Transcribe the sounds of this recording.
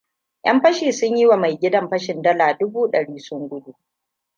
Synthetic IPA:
j̰ʔɐ˦mɸɐ˦ʃiː˨sʊ˦ɲji˦wa˨ma˨jɡʲɪ˦dɐ˦mɸɐ˦ʃɪ˨ndɐ˦laː˨dʊ˦buː˦ɗɐ˨ɽiː˦sʊ˦ŋɡʷʊ˦du˦˨

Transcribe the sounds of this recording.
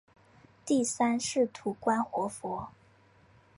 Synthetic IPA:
t̪i˥˩sa˥nʂɻ̩˥˩t̪ʰu˧˥kwa˥nxwɔ˧˥fwɔ˧˥

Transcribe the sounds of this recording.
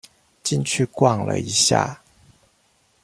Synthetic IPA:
t͡ɕi˥˨nt͡ɕʰy˥˧kwɑ˥˩ŋlə̰˨˩i˧˦ɕja̰˥˩

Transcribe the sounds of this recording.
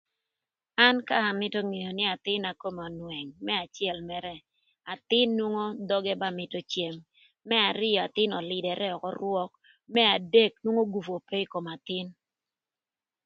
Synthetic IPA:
a˦nka˦a˨mɪ˦to˦ŋe˨jo˨nɪ˦a˨t̪ɪ˦na˨ko˦mɔ˨nwɛ˨ŋmɛ˦a˨t͡ʃjɛ˦˨lmɛ˦ɾɛ˦ | a˨t̪ɪ˦nːwo˦ŋo˦d̪ɔ˦ɡɛ˦ba˦mɪ˨to˦t͡ʃje˨mː | ɛ˦a˨ɾɪ˦jɔ˨a˨t̪ɪ˦nɔ˨lɪ˨dɛ˨ɾʔɛ˦ɔ˨kɔ˦ɾwɔ˦k̚ | mɛ˦a˨de˦˨k̚nwu˦ŋo˦ɡu˨fo˨pe˦i˦ko˨ma˨t̪ɪ˦n

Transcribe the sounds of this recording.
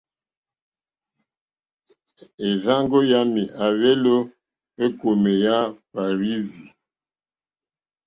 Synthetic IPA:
e˨ɾa˦ŋɡo˦ja˦mi˨ʔa˨ve˦lo˦ | e˦ko˨me˨ja˦fa˨ɾi˦zi˨

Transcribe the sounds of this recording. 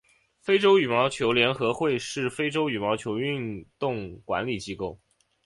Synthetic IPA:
fe˥ɪʈ͡ʂo˥ʊy˨˩mɑ˧˥ʊt͡ɕʰjo˧˥ʊljɛ˧˥nxɤ˧˥xwe˥˧ɪʂɻ̩˥˩fe˥ɪʈ͡ʂo˥ʊy˨˩mɑ˧˥t͡ɕʰjo˧˥ʊy˥˧nt̪ʊ˥˩ŋkwa̰˧˥nli˨˩t͡ɕi˥ko˥˩ʊ

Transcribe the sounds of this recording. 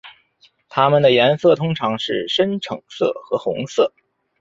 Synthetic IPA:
t̪ʰa˥mə˨nd̪ə˩jɛ˧˥nsɤ˥˩t̪ʰʊ˥ŋʈ͡ʂʰɑ˧˥ŋʂɻ̩˥˩ʂə˥nʈ͡ʂʰɤ˨˩ŋsɤ̰˥˩xɤ˧˥xʊ˧˥ŋsɤ˥˩

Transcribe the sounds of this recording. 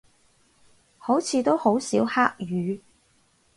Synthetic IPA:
ho˨˥wt͡sʰiː˨˧t̪o˥who˨˥wsiː˨˥whaː˥k̚jyː˨˧

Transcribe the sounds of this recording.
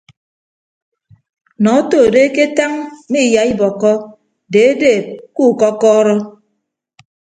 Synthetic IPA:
nɔ˨˦to˦˨de˦ke˦ta˦ŋmi˦˨ja˨i˦bɔ˨kɔ˦ | de˨e˦de˦˨ku˦˨kɔ˦kɔː˦ɾɔ˦

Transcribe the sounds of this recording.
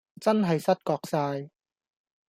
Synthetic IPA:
t͡sɐ˥nɦɐ˨jsɐ˥t̚kɔː˧k̚saː˧j

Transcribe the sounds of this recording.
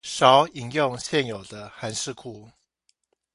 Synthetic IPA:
ʂɑ˨˦ʊi˨˩ŋjʊ˥˨ŋɕjɛ˥˨njo˨˩ʊd̪ə˦xa˧˦nʂɻ̩˥˧kʰu˥˩

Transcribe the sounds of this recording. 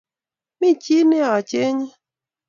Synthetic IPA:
mi˦t͡ʃi˦ne˦a˨a˨t͡ʃe˦ɲi˦

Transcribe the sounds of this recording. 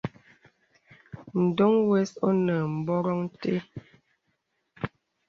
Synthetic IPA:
n̩˨do˦ŋwɛ˦so˦nə˨m̩˨bɔ˦ɾɔ˦ŋ˦te˦

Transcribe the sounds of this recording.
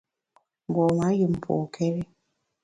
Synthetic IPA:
ɡɔ˨ma˨˦ji˨m̩˨pʰo̰˨kʰɛ˦ɾi˦

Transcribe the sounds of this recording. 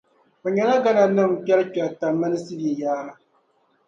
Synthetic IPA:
o˨ɲɛ˦na˦ɡa˦na˨˦nɨ˦m˨pɛ˦lk͡pɛ˨lta˨mːa˦nɨ˦sɨ˦bjɛ˨jaː˦ɾa˦

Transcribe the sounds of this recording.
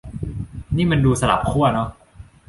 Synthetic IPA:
niː˥˩ma˧nduː˧sa˧la̰˨˩p̚kʰu˥˩ɐnɔ˦˥

